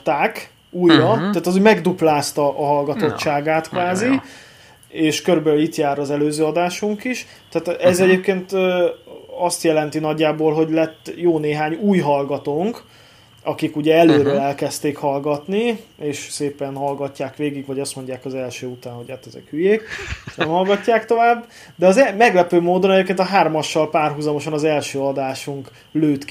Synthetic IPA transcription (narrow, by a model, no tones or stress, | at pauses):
t̪aːk | uːjːɒt̪aːt̪ɒzuɟmɛɡd̪uplaːst̪ɒʔɒɦɒlɡɒt̪o̞t͡ʃːaːɡaːt̪kʋaːzi | eːʃkøɾybɛlylit̪jaːɾɒzɛløːzøːɒd̪aːʃuŋkiʃ | t̪aːt̪ɛzɛɟeːp̚keːnt̪ː | ɒst̪jɛlɛnt̪inɒɟːaːboːlɦo̞ɟlɛt̪ːjoːneːɦaːɲuːjɦɒlɡɒt̪oːŋk | ɒkikuɟɛɛløːɾølɛlkɛst̪eːkhɒlɡɒt̪nieːʃseːpɛnɦɒlɡɒcːaːkʋeːɡiɡvɒɟɒst̪mo̞ɲɟaːkɒzɛlʃøːut̪aːnhoɟhaːt̪ːɛzɛ̰khyjeːkeʃnɛmhɒlɡɒcːaːkt̪o̞vaːbː | d̪ɛɒzɛmɛɡlɛpøːmoːd̪onɛɟeːpkeːnt̪ɒɦaːrmɒʃːɒlpaːrɦuzɒmo̞ʃɒnɒzɛlʃøːɒd̪aːʃuŋk | løːt̪k